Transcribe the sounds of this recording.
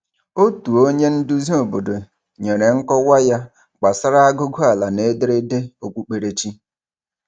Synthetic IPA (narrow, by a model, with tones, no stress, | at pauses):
o˦tu˨o˦ɲe˦n̩˦du˦zi˦o˨bo˨do˨ | ɲe˨ɾe˨ŋ̩˦kɔ˦wa˦ja˦ | ɡ͡ba˨sa˦ɾa˦a˦ɡʊ˦ɡʊ˦a˨la˨ne˦de˦ɾe˦de˦o˨kʷu˦k͡pe˨ɾe˨t͡ʃi˦